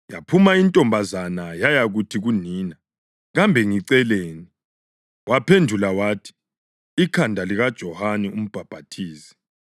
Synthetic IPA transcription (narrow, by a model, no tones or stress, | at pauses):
ja̰pʰumaintʼɔmbʱazanajajaɣutʰiɣuniːna | ɣambʱɛŋiǀɛleːni | wapʰendʱulawatʰi̥ | ikʰandʱaliɣad̥ʒ̥ʱɔhanɛum̩b̥ʱab̥ʱatʰiːsi̥